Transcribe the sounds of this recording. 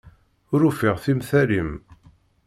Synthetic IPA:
ʊɾufiʁθimθælim

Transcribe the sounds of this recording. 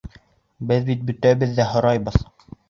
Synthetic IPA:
bɘðbit̪̚bɵ̆t̪æbɘðːæɦŏɾɑjbɤð

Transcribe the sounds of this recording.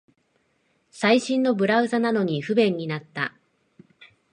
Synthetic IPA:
saiɕĩnːo̞bɯ̟ɾaɯ̟zanano̞ɲ̟iɸɯ̟bẽ̞ɲ̟ːinat̪ːa

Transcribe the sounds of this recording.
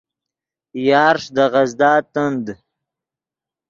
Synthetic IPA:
jɑːɾʂd̪əʁazd̪ɑːt̪ənd̪

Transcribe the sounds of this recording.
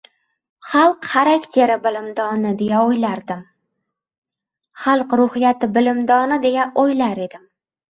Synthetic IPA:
χɑlˠqχaɾakʲt̪ʰe̞ɾɪbɪlɪmd̪ɒnɪd̪e̞jaojlaɾd̪ɪm | χɑlˠqɾʊhɪjat̪ʰɪbɪlɪmd̪ɒnɪd̪e̞jaʔojlaɾe̞d̪ɪm

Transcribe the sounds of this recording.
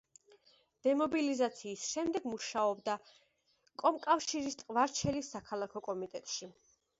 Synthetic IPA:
d̪̥ɛmɔbilizat̪sʰiːsʃɛmd̪ɛɡmuʃaɔbd̪a | kʼɔmkʼafʃiɾist̪ʼqʼvaɾt͡ʃʰɛlisːakʰalˠakʰɔkʼɔmit̪ʼɛt̪ʼʃi

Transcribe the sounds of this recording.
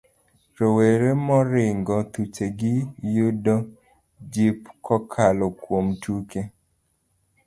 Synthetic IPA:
ɾoweɾemɔɾɪŋɡɔt̪ut͡ʃeɡɪjʊdɔ | d͡ʒipkɔkʰalɔkwomtuke

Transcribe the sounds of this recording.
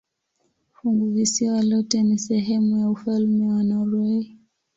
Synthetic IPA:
fuŋɡuvisiwalɔtɛnisɛɦɛmujaufalmɛwanauɾɛi

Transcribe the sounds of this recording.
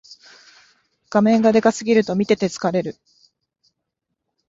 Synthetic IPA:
ɡ̥amẽ̞ŋɡad̪e̞kasɨɡʲiɾɯ̟t̪o̞mʲit̪e̞t̪e̞t͡sɨ̥kaɾe̞ɾɯ̟

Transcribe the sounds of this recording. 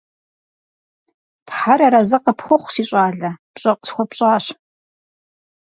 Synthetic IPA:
tħaɾɐɾɐzɐqɐpʰxʷʊχʷsiːɕʷʼaːɮɐpɕʼɐqə̥sxʷɔpɕʼaːɕ

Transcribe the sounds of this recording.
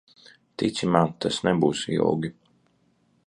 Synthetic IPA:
t̪it̪sʲimaːt̪asnɛbuːsḭja̰wɡʲi

